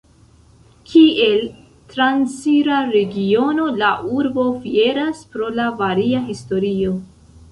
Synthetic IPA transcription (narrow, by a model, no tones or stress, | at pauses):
kʰie̞l | tɾansiɾaɾe̞ɡio̞no̞laʔuɾbo̞fie̞ɾaspɾo̞lavaɾiaɦisto̞ɾio̞